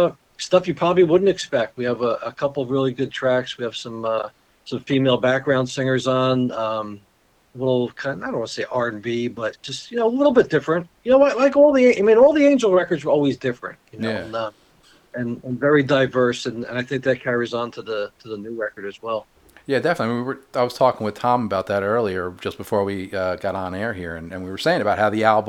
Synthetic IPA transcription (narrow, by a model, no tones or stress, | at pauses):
ʌ | stʌfjɨpʰɹ̥ɑbəbliwʊdⁿn̩tɨkspɛk̚t̚wiɨvəʔəkʰʌpl̩ˠʌvɹɪlˠiɡʊd̚tʰɹ̥ækswiɨv̥sʌ̃mʌ | sʌ̃ɱfimeɪlˠbæk̚ɡ̥ɹãʊ̃nd̥sɪ̃ŋə˞zn̩ʌ̃m | əlɪɾl̩ˠkʰãɪ̃naɪɾõʊ̃wʌnseɪʔɑɹɨ̃nbibʌt̚d̥ʒ̥ʌst̚jɨnoʊəlɪɾl̩ˠbɪt̚d̥ɪfɹɨ̃nt̚jɨnoʊlaɪlaɪkɔlˠðiẽʔaɪmĩnɔlˠðiẽɪ̃nd͡ʒl̩ˠɹɛkə˞dzə˞ɔlˠwizdɪfɹɨ̰̃ntjɨnjoʊæ̃nʌ | ɨ̃nɨ̃nvɛɹidaɪvɜ˞sɨ̃nɨ̰̃naɪθɪ̃ŋk̚ðɨt̚kʰɛɹizn̩tʰɨðətʰɨðənʉɹɛkə˞ɾɨzwɛlˠ | jædɛfənətˡliwiwə˞aɪwʌz̥tʰɔkɪ̃ŋwɨð̥tʰɑ̃məbaʊt̪̚ðɨɾɜ˞lˠiə˞d͡ʒʌsb̥ɨfɔɹwiʌɡɑɾn̩ɛɹhiɹɨ̃nɨ̃nwiwə˞seɪɪ̃ŋɨbaʊt̚haʊðiælˠb